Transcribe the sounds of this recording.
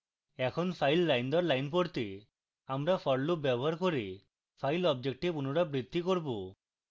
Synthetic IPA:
ɛkʰonpʰajlɾajnd̪ɔɾlajnp̬oɾt̪e | amɾapʰɔɽlubɛbɔɦaɾkoɾe | pʰajlɔb̚d͡ʒek̚ʈipunoɽabɾid̪ʱːikoɾbo

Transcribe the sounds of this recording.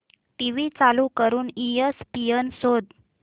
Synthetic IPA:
ʈiʋit͡salukəɾuːniespiənsod̪

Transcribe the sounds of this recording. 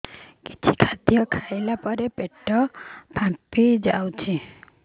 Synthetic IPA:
ki̥t͡ʃʰi̥kʰad̪jɔkʰajlapɔɾepeʈːɔpãpid͡ʒawt͡ʃʰi

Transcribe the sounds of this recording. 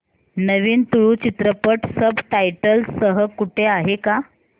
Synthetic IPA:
nəʋiːnt̪uɭuːt͡ɕit̪ɾəpəʈsəbʈajʈəlsəɦəkuʈʰeaɦeka

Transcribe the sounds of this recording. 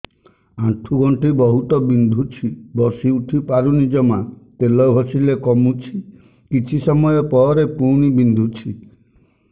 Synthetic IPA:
aʈʰuɡɔɳʈibɔɦut̪ɔbind̪ʱut͡ʃʰibɔsiuʈʰipaɾunid͡ʒɔmat̪elɔɡʱɔsilekɔmut͡ʃʰi | kit͡ʃʰisɔmɔjɔpɔɾepuɽ̃ibind̪ʱut͡ʃʰi

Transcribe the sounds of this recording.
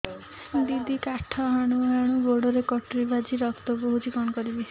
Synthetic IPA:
d̪id̪ʱikaʈʰɔɦaɽ̃uɦaɽ̃uboɽɔɾekɔʈɾibad͡ʒiɾɔkt̪ɔboɦut͡ʃʰikɔɽ̃ɔkɔɾibi

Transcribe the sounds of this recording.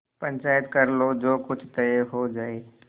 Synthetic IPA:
pə̃ɲt͡ʃaːjət̪kəɾlod͡ʒoːkʊt͡ʃʰt̪əɦod͡ʒaːe

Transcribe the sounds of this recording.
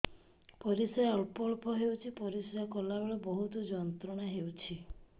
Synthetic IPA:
pɔɾisɔjɔlpɔɭpɔɦewt͡ʃʰipɔɾisɔjɔkɔlabeɭɔbɔɦut̪ɔd͡ʒɔnt̪ɾɔɽ̃aɦewt͡ʃʰi

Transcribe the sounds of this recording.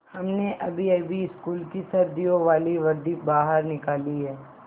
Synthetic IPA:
hɐmneʔɐbʱiɐbʱiɪskuːlkisɐɾd̪ijoʋaːliʋɐɾd̪ibaːɦəɾnɪkaːliɦɛː

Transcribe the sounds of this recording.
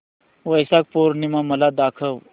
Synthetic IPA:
ʋəjsak̚poɾnimaməlad̪akʰəw

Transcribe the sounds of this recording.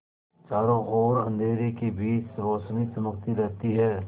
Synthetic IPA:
t͡ʃaːɾõʔɔːɾɐ̃nd̪ʱeːɾekebiːt͡ʃɾoːʃnisɐməkt̪iɾɛɦt̪iɦɛː

